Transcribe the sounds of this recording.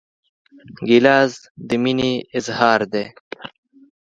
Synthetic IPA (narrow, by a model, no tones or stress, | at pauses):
ɡilaːz | d̪əminiɪzhaːɾd̪eː